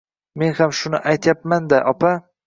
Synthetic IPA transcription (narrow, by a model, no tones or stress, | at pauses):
me̞nhamʃʊnɪ̰ʔajt̪ʰjapmand̪aʔɒpʰa